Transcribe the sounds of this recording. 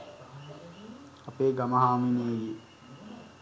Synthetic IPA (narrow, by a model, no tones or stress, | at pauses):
apeːɡamɐɦaːmineːɡi